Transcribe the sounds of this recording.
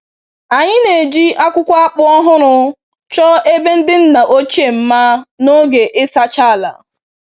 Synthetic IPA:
a˨ɲɪ˦ne˨d͡ʒi˦ʔa˦kʷʊ˦kʷa˦a˦k͡pʊ˦ɔ˦ɦʊ˦ɾʊ˦ | t͡ʃɔ˦e˦be˦n̩˦dɪ˦n̩˦na˨ʔo˦t͡ʃe˦˨m̩˦ma˦no˦ɡe˨ʔɪ˦sa˦t͡ʃa˦˨la̰˨

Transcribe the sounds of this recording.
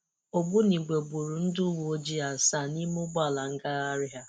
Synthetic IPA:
o˨ɡ͡bʊ˦ni˨ɡ͡be˨ɡ͡bu˨ɾu˨n̩˦dʊ˦wo˨o˦d͡ʒi˦a˨sa˦˨ni˦mʊ˦ɡ͡ba˦˨la˨ŋ̩˦ɡa˦ɣa˦ɾɪ˦ɦa˦

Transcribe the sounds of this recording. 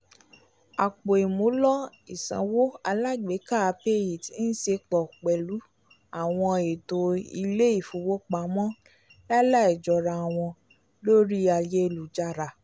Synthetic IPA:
a˨k͡po˨e˨mõ˨˦lɔ˦ | i˨sã̰˨˦wo˦a˧la˦ɡ͡be˨˦ka˦˨˧pe˦ji˨ti˨˦n̩˦se˧k͡pɔ˨k͡pɛ˨lu˨˦ | a˦˨w̃ɔ̃˧e˨to˧ḭ˧le˦i˦˨fu˧wo˦k͡pa˨˦mɔ̃˦ | la˦la˦˨i˨d͡ʒɔ˧˨ɾa˨˧˨w̃ɔ̃˧ | lo˦ɾi˦a˧je˦˧˨lu˨d͡ʒa˧ɾa˨

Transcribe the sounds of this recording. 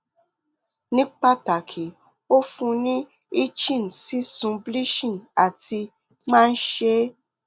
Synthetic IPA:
nĩ˦k͡pa˧ta˨kʰi˨ | o˦fũ˧nĩ˦ | i˦t͡ʃĩ˦˨n̩˨si˦sũ˧bli˦ʃĩ˦˨na˨ti˧ | mãː˦n̩˦ʃe˦

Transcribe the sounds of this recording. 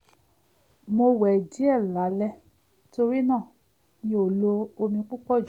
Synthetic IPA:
mo˧wɛ˨d͡ʒi˨˦ɛ˦˨la˨˦lɛ˦ | to˧ɾi˦nãː˦˨ | nĩ˧˦o˨lo˧o˧mĩ˧k͡pu˦k͡pɔ˦˨d͡ʒ

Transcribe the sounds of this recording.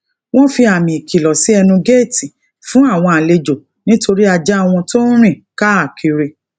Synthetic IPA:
w̃ɔ̃˦fi˧a˨mĩ˨i˨ki˨lɔ˨si˨˦ɛ˧nũ˧ɡe˦˨ti˨ | fũ˦a˦˨w̃ɔ̃˧a˨le˧d͡ʒo˨ | nĩ˦to˧ɾi˦a˧d͡ʒa˦a˧w̃ɔ̃˧to˦ɾ̃ĩ˦˨ka˦a˦˨kʰi˧ɾe˧

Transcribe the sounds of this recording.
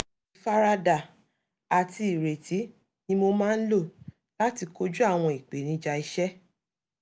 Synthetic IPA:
i˧fa˦ɾa˦da˨ | a˨ti˧i˨ɾe˨tʰi˨˦ | nĩ˧˦mo˧mãː˦˧n̩˦lo˦˨ | la˦ti˧ko˦d͡ʒu˦a˦˨w̃ɔ̃˧i˨k͡pe˨˦nĩ˧˦d͡ʒa˧i˧ʃɛ˦

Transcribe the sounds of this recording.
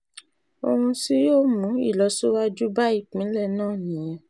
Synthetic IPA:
o̰˧hũ˧si˦joː˦˨mũ˨˦ḭ˦˨lɔ˨˦so˦wa˦d͡ʒu˦ba˦i˦˨k͡pĩ˨˦lɛ˦˨nãː˦˨nĩ˨˦jɛ˧

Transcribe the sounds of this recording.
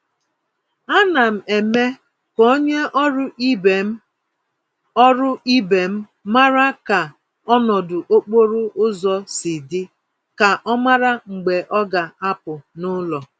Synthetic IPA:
a˦na˨m̩˨e˨me˦ | ko˦ɲe˦ʔɔ˦ɾʊ˦i˦b | ɔ˦ɾʊ˦ʔi˦be˨m̩˦ | ma˦ɾa˦ka˨ | ɔ˦nɔ˨dʊ˨ʔo˦k͡po˦ɾʊ˦ʔʊ˦zɔ˨sɪ˨dɪ˦ | ka˨ʔɔ˦ma˦ɾa˦ŋ͡m̩˨ɡ͡be˨ʔɔ˦ɡa˨a˦pʊ˨nʊ˦lɔ˨

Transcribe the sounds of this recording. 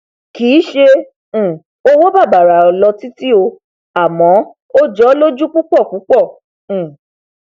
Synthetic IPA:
kiː˨˦ʃẽ˧˨ | o˧wo˦ba˦˨ba˨ɾa˨ɔ˨lɔ˧ti˦ti˦o˧ | a˨mɔ̃˨˦ | o˦d͡ʒɔ˦lo˦d͡ʒu˦k͡pu˦k͡pɔ˦˨ku˨˦k͡pɔ̃˦˨

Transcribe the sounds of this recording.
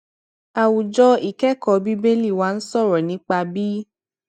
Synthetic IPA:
a˨wu˨d͡ʒɔ˧˦i˦˨kɛ˦˨kɔ˨˧bi˦be˦li˦˨wa˨˦n̩˦sɔ˦˨ɾɛ˨nĩ˨˦k͡pa˧bi˦

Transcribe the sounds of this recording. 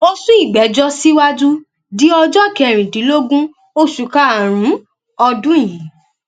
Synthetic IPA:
o˧su˦i˦˨ɡ͡bɛ˨˦d͡ʒɔ˦si˦wa˦d͡ʒu˦ | di˨˦ɔ˧d͡ʒɔ˦˨kɛ˨ɾ̃ĩ˨dĩ˨˦lo˦ɡũ˦ | o˦ʃu˨ka˦a˨ɾ̃ũ˨˦ | ɔ˧dũ˦˨j̃ĩ˨˦

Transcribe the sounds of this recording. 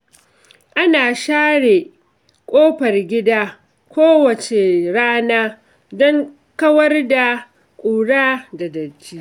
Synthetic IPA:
ʔa˦naː˨ʃaː˦ɽe˨ | kʷʼoː˦ɸɐ˨rɡʲɪ˦daː˦ | kʷoː˦wɐ˨t͡ʃe˨ɽaː˦naː˦ | dɔ˦ŋ | kɐ˦wɐ˦rda˨ | kʷʼuː˨ɽaː˦da˨dɐ˨t͡ʃːiː˦

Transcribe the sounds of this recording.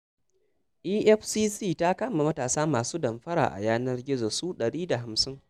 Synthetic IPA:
ʔiː˦ʔɛ˦ɸsiː˦siː˦˨ta˦kɐ˦ma˨mɐ˦taː˨saː˦maː˨suː˦dɐ˨mɸɐ˦ɾa̰ː˨ʔa̰˨jaː˦nɐ˦rɡʲɪ˦zo˨su˦ɗɐ˨ɽiː˦da˨ɦa˨msɪ˦ŋ

